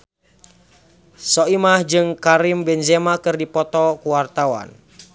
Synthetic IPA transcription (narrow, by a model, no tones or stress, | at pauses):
sɔimahd͡ʒɨŋkaɾimbɛnzɛmakɨrdipɔt̪ɔkuwart̪awa̰n